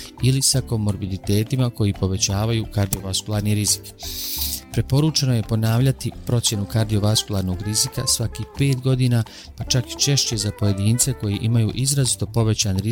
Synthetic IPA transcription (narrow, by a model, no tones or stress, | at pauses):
ilisako̞mo̞ɾbid̪it̪e̞ːt̪imako̞jipo̞ʋe̞t͡ɕaːʋajuːkaɾd̪io̞ʋaskulˠaːɾniɾizi̥k | pɾe̞po̞ɾuːt͡ʃe̞no̞je̞po̞naːʋʎat̪ipɾo̞t̪sʲje̞nukaɾd̪io̞ʋaskulˠaɾno̞ɡɾizikasʋakiːhpe̞ːt̪ɡo̞d̪iːna | pat͡ʃaki̥t͡ʃe̞ʃt͡ɕe̞zapo̞je̞d̪iːnt̪se̞ko̞jeʔimajuːʔizɾazit̪o̞po̞ʋe̞t͡ɕanɾi